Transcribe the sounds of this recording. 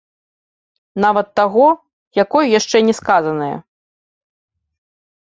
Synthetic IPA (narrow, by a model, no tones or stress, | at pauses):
navɐt̪ːaɣɔ | jakɔjjaʂt͡ʂɛnʲɛskazɐnɐjɐ̰